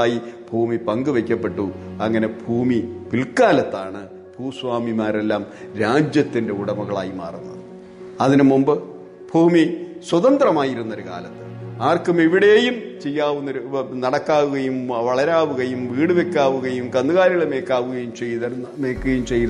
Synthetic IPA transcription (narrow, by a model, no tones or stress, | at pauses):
aːjib̥ʱuːmipɐŋɡɨʋekʲːɐpːe̞ʈːuɐŋːɐne̞bʱuːmiʋilkaːlɐt̪ːaːɳɨ | b̥ʱuːsʋaːmimaːre̞lːaːmɾaːd͡ʑjɐt̪ːindeuɽɐmɐɣɐɭa̰ːjima̰ːrunːɐ̰ðɨ | ɐðinɨmumbɨ | b̥ʱuːmiswɐðɐnd̪rɐmaːjiɾunːo̞ɾuka̰ːlɐt̪ːɨ̥aːrkumiʋiɽe̞ːjumt͡ɕe̞jːaːʋunːoɾunɐɽɐkːaːʋuɣɐjumʋɐɭɐɾaːʋuɣɐjumʋiːɽɨʋe̞kʲːaːʋuɣɐjumkɐnːɨɣaːɾiɭeme̞ːkːaːʋuɣɐjumt͡ɕe̞jðɐɐmeːkːuɣɐjumt͡ɕe̞j̪